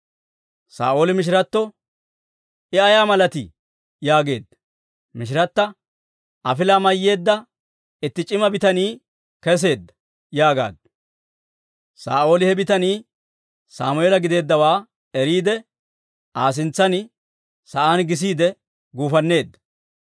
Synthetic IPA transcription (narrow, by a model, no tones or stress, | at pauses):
sa̰ːʔo̞ːlɪmɪʃ̬ɪɾɐt̪ːɔ | ɪɐjaːmɐlɐt̪ɪ̰ | jaːɡe̞ːd̪ːɐ̥ | mɪʃɪɾɐt̪ːɐ | ʔɐfɪlaːmɐjːe̞ːd̪ːɐ | ɪt̪ːɪt͡ʃʼɪmɐbɪt̪ɐniː | kɛs̬e̞ːd̪ːɐ̥ | jaːɡa̰ːd̪ | sa̰ːʔo̞ːlɪhɛbɪt̪ɐniː | saːmʊelɐɡɪd̪e̞ːd̪ːɐwaː | ɛɾiːd̪ɛ | ʔaːs̬ɪnt͡sːɐnɪ | sɐʔanɡɪs̬iːd̪ɛ | ɡuːfɐnːe̞ːd̪ːɐ̥